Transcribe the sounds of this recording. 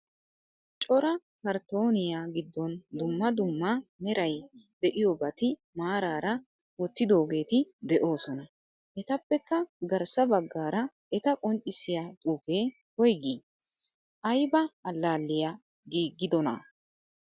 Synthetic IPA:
t͡ʃʼɔɾɐ | kɐɾt̪o̞ːnɪjaːɡɪd̪ːɔnd̪ʊmːɐd̪ʊmːamɛɾɐjd̪ɛʔɪjobɐt̪ɪ | maːɾaːɾɐ | wɔt̪ːɪd̪o̞ːɡe̞ːt̪ɪd̪ɛʔo̞ːsɔnɐ | ʔɛt̪ɐpːɛkːɐɡɐɾsɐbɐɡːaːɾɐ | ʔɛt̪ɐkʼɔnt͡ʃʼɪsɪjat̪ʼuːpe̞ː | hɔjɡiː | ʔɐjbɐːlːaːlːɪja | ɡiːɡːɪd̪ɔnɐ̰

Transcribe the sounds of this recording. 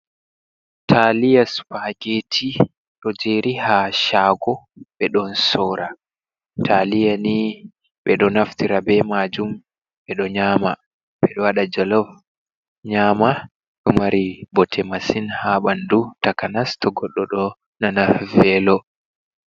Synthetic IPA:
tʰalijaspaɡetʰi | ɗɔd͡ʒeɾʔihaʃaɡɔɓɛɗɔnsɔːɾa | tʰalijani | ɓɛɗɔnaftiɾabɛmad͡ʒum | ɓɛɗɔɲaːma | ɓɛɗɔwaɗad͡ʒɔlɔv | ɲaːma | ɗɔmaɾibɔtʰɛmasinhaɓandutakanastɔɡɔɗːɔɗɔ | nanavɛlɔ

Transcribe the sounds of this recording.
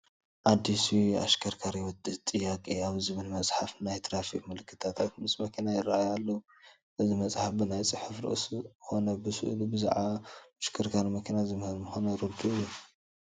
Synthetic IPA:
ʔad̪ːisua̰ʃkʰɐɾkʰaɾjwɔt̪ʼːɨht̪ʼːɨjːakʼiaβzɨβɨlmɐt͡sʼħafnajt̪ʰɾafikmɨlɨkːɨ̥t̪ʰat̪ʰat̪mɨsmɐkʰinajɪraajalːɐwu | ʔɨzimɐt͡sʼħafbɨnajt͡sʼɨħɨfɾɨ̰ʔsxo̞nɐbɨsɨ̰ʔlubɨza̰ʕaaʃkʰɐɾkʰaɾmɐkʰɐnazɨmhɨlmɨxonɐɾod̪uɨjːu

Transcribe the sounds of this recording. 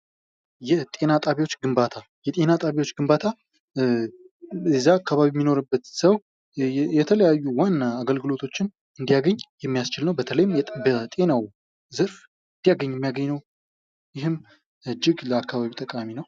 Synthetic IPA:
jɛt̪ʼe̞nat̪ʼaβjwo̞t͡ʃːɡɨmbat̪ʰajɛt̪ʼe̞nat̪ʼaβjwo̞t͡ʃːɡɨmbat̪ʰa | zːaːkʰːaβaβiɛmːino̞ɾɨbːət̪səw | jɛt̪ʰələjajːuwanːaɡəlɡɨlo̞t̪ʰo̞t͡ʃːɪn | ɨnd̪ijaɡəɲːjɛmːijast͡ʃɪlnəwbət̪ʰələjɪmbət̪ʼe̞naw | zɨɾf | ɨnd̪ijaɡəɲːɛmːijaɡəɲːnəw | jɪɦɨm | ɨd͡ʒːɪɡləakːaβaβit̪ʼəkʼaminəw

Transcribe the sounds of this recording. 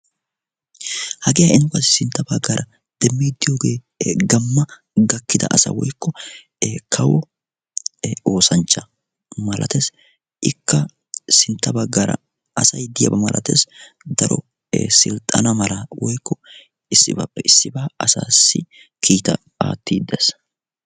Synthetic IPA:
hɐɡɪjɐʔɪnkɐsɪ̥sɪnt̪ːɐbɐɡːɐɾʔɐ | d̪̥ɛmːiːd̪ːɪjo̞ːɡeː | ɡɐmːɐ | ɡɐkːɪd̪ɐ̰ʔɐsɐ̰wɔ̰jkːɔ | kʰɐwʊ | o̞ːsɐnt͡ʃːɐ | mɐlʔɐ̰t̪es | ɪkːɐ | sɪnt̪ːɐbɐɡːɐɾɐ̰ | ɐsɐjd̪ɪjɐ̰bɐmɐlʔɐ̰t̪ḛs | d̪ɐɾɔ̰ | sɪlt̪ʼɐnɐmɐlɐwɔjkːɔ | ɪsːɪba̰pːɛɪsːɪbaːɐsa̰ːsːɪ | kʰiːt̪ɐ | a̰ːt̪ːiːd̪ɐs

